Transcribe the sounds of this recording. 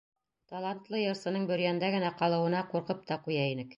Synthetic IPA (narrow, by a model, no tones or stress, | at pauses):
t̪ɐlˠant̪lˠɤjɤ̆ɾsɤ̆nɤɴbɵ̆ɾjænd̪æɡɘ̆næqɑlˠɤ̆wɤ̆nɑquɾqɤp̚t̪ɑqujɑinɘk